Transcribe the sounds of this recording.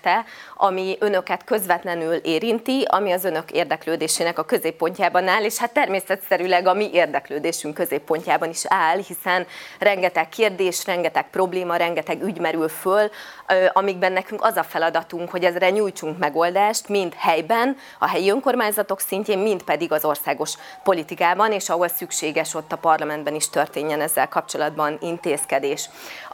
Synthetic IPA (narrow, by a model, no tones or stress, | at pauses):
t̪ɛɒmiø̞nø̞kɛt̪kø̞zʋɛt̪lɛnyleːɾint̪iɒ̰miɒzø̞nø̞keːrd̪ɛkløːd̪eːʃeːnɛkɒkø̞zeːpːo̞ɲcaːbɒnaːleːʃhat̪ːɛrmeːsɛt̪sɛɾylɛɡɒmiʔeːrd̪ɛkløːd̪eːʃyŋkːø̞zeːpːo̞ɲcaːbɒniʃaːlhisɛnrɛŋɡɛt̪ɛkʰːeːrd̪eːʃrɛŋɡɛt̪ɛk̚pro̞bleːmɒɾɛŋɡɛt̪ɛɡyɟmɛɾylfølɒmiɡbɛnːɛkyŋkɒzɒfɛlɒd̪ɒt̪uŋkho̞ɟɛzrɛɲuːjt͡ʃuŋkmɛɡo̞ld̪aːʃt̪mint̪hɛjbɛn | ɒ̰ɦɛjiøŋko̞rmaːɲzɒt̪o̞ksiɲceːmmint̪pɛd̪iɡɒzo̞rsaːɡo̞ʃpo̞lit̪ikaːbɒneːʃɒɦolsykʃeːɡɛʃo̞t̪ːɒpɒrlɒmɛnd̪bɛniʃt̪ø̞rt̪eːɲːɛnɛzːɛlkɒp̚t͡ʃo̞lɒd̪bɒnint̪eːskɛd̪eːʃ